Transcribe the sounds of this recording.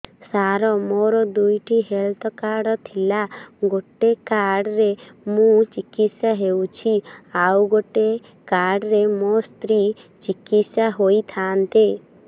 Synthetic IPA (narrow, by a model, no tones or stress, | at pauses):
saɾɔmoɾɔd̪ujʈʰiɦelt̪ʰɔkaɽɔt̪ʰilaɡoʈekaɾɽɔɾemũt͡ʃikit̪sjaɦewt͡ʃʰiawɡoʈe | kaɽɔɾemost̪ɾi | t͡ʃikit̪sjaɦojt̪ʰaːnt̪e